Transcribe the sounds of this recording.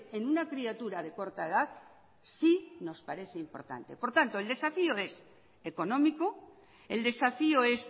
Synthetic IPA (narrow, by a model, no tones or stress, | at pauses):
e̞nunakɾiat̪uɾað̞e̞ko̞ɾt̪aeðaθ | sino̞spaɾe̞θe̞impo̞̰ɾt̪a̰nt̪e̞̰po̞ɾt̪ant̪o̞eld̪e̞safioe̞s | e̞ko̞nõ̞miko | e̞ld̪e̞safioe̞s